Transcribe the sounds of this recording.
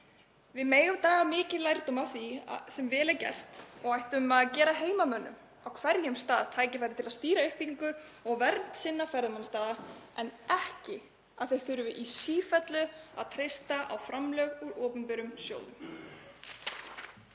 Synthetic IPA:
vɪðmeːjɣʏmt̪aːɣamɪːcɪlajɾt̪ʏmaðθḭsɛmvɛːlɛɾcɛ̰r̥t̪ɔɣajht̪ʏmaðcɛːɾaɦeːjmamœːnːʏ̰m | awkʰvɛɾjʏmst̪aːðt̪ʰaːjcɪfajɾɪt̪ʰɪlast̪iːɾaʏhpiŋkʏɔɣvɛɾt̪t̪sɪnːafɛɾðʏmanst̪aːðaɛnɛhcɪ | aðθejθʏɾʏvɪʔisiːfɛt̪lʏa̰ðt̪ʰɾejst̪aʔa̰wfɾamlœɣʏɾɔːpʏnpɪɾʏmsjo̰ːwlnʏ̰m

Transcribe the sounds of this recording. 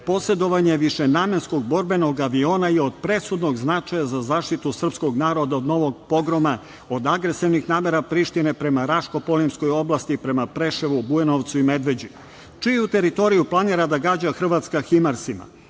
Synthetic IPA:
po̞se̞d̪o̞ʋaɲe̞ʋiʃenaːme̞nsko̞ɡ̚bo̞ɾbe̞no̞ɡaʋio̞ːnajeo̞d̪pɾe̞sud̪no̞ɡznat͡ʂajazazaːʃt̪it̪usr̩psko̞ɡnaːɾo̞d̪aod̪no̞ʋo̞ɡ̚po̞ɡɾoma | od̪aɡɾe̞siʋnixnaːme̞ɾapɾiːʃt̪ine̞pɾe̞maɾaʃko̞polimsko̞jo̞blˠast̪ipɾe̞mapɾe̞ʃeʋubuenoʋt̪suime̞d̪ʋe̞d͡ʑi | t͡ʃijut̪e̞ɾit̪o̞ɾijuplˠaniːɾad̪aɡaːd͡ʑaxr̩ʋat̪skaximaɾsima̰

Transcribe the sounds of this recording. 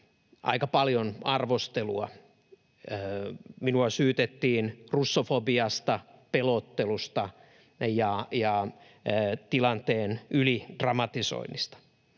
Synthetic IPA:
ʔɑ̰ikɑpɑljonɑrʋost̪eluɑ̰ | minuɑsyːt̪et̪ːiːnrusːofobiɑst̪ɑpelot̪ːelust̪ɑ | jɑjɑ | t̪ilɑnt̪eːnylid̥rɑmɑt̪iso̰inːist̪ɑ̥

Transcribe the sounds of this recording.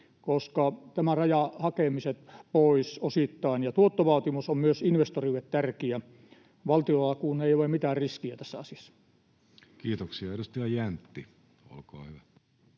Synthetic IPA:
koskɑt̪æmærɑjɑhɑkemiset̪poisosit̪ːɑˑinjɑt̪uot̪ːoʋɑˑːt̪imusommyøsinʋest̪oriʋet̪t̪ærkiæ | ʋɑlt̪iolːɑkuːnːeiolemit̪æːrriskiæt̪æsːæɑsiɑ̥sːɑ̥ | kiːt̪oksiɑeɾust̪iɑjænt̪ːi | o̰lko̰ːhyʋæ

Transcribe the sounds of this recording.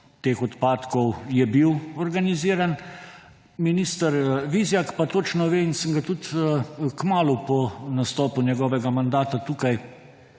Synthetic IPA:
t̪eːxɔt̪paːt̪kɔwjɛbiwɔɾɡaniziːɾan | miniːst̪əɾʋizjakpat̪oːt͡ʃnɔʋeːinsəŋɡat̪ut̪kmaːlupɔnast̪ɔːpunʲjɛɡɔːʋɛɡamand̪aːt̪at̪uːkaj

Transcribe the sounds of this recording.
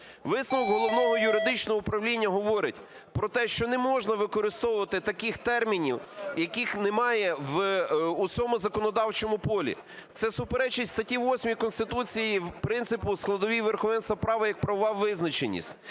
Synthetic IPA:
ʋɪsnɐʋɔɡɦɔlˠɔʋnɔɦɔjʊɾɪd̪ɪt͡ʃnɔɦɔupɾɐwlʲinʲːɐɦɔʋɔɾɪtʲ | pɾɔt̪ɛʃt͡ʃɔnɛmɔʒnɐʋɪkɔɾɪst̪ɔwʊʋɐt̪ɪt̪ɐkɪxt̪ɛrmʲinʲiwjɐkixnemɑjɛʋusʲɔmʊzɐkɔnɔd̪ɑwt͡ʃɔmʊpɔlʲḭ | t̪sɛsʊpeɾɛt͡ʃɪtʲst̪ɐtʲiʋɔsʲmʲijikɔnst̪ɪt̪ut͡sʲijipɾɪnt̪sɪpʊsklˠɐd̪ɔʋʲiʋerxɔʋɛnst̪ʋɐpɾɑʋɐjɐk̚pɾɐʋɔʋɑwʋːɪznɐt͡ʃenʲːḭsʲtʲ

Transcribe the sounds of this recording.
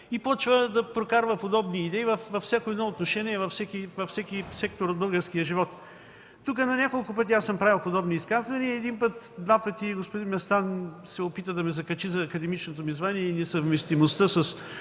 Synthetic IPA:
ipɔt͡ʃvəd̪ɐpɾokaɾvəpod̪ɔbniːd̪ɛivɐfvɐfsʲakoɛd̪nɔot̪noʃɛniɛvɐfsɛkivɐfsɛkisɛk̚t̪oɾod̪bɤlˠɡəɾskijəʒivɔt̪ː | uk̬ənɐnʲakolˠkʊp̬ɤt̪iasəmpɾavilˠpod̪ɔbniːskazvɐniɛd̪inpət̪d̪vapət̪iɡospod̪inmɛst̪ansɛopit̪əd̪ɐmɛzɐkɐt͡ʃizɐːkɐd̪ɛmit͡ʃnot̪omizvaniɛinɛsɐvmɛst̪imost̪əsɐs

